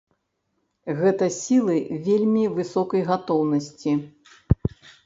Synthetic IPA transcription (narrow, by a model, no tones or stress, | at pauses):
ɣɛt̪ɐsʲilˠɨvʲelʲmʲivɨsɔkɐjɣat̪ɔwnɐsʲt͡sʲi